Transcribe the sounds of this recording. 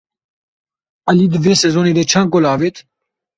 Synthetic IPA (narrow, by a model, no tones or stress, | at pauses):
alid̪əvesɛzoned̪ɛt͡ʃʰaːŋkolɑːvet̪